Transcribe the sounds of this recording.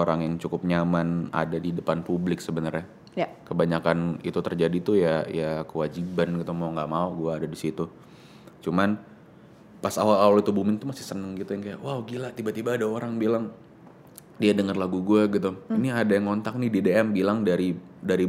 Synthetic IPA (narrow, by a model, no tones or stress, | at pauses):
oɾaŋjaŋt͡ʃukʊp̚ɲamana̰dadidəpanpublɪksəbənərɲa | jkəbaɲakanḭt̪ut̪ərd͡ʒadit̪ujajakəwad͡ʒibanɡit̪umauŋɡaʔmauɡuaːdadisit̪u | t͡ʃuman | pasawalaalit̪ubumɪnt̪umasɪhsənəŋɡit̪ujaŋkajaʔwaɡilat̪ibat̪ibaːdaoɾaŋbilaŋ | diadəŋərlaɡuɡuaɡit̪uiniadajaŋɔnt̪ak̚nidedeɛmbilaŋdaɾi | daɾi